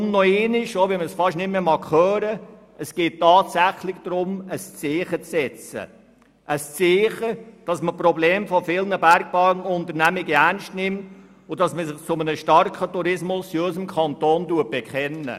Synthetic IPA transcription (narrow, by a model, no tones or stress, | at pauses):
ʊnnɔeːnɪʃoʋiməsfɑʃnɪtmemɑkχœːɾə | ʔəsɡ̥eːttːɑːtsæχlɪɡd̥ɾʊməst͡seːχət͡sɛt͡sə̰ | ʔəst͡seːχəd̥ɑsməpɾɔbleːmfɔfɪlnəbæɾɡ̥̚b̥ɑnʊntəɾnæmɪɡəæɾnʃtnɪmt | ʊdɑsməsɪχt͡sʊmənəʃtɑɾkχətuɾɪsmʊsiœɪsəmkʰɑntoːnduət̚b̥ɛkχɛnːə̰